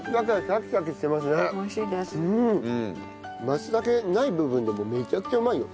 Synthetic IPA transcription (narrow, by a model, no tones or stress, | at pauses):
kɡakasakʲi̥kakeɕi̥t̪e̞mas̬ɨneɕid̪eɯ̃ | masɨd̪ake̞naibɯ̟bɯ̟̃nd̪e̞mo̞me̞t͡ɕakɯ̟̥t͡ɕaɯmaijo̰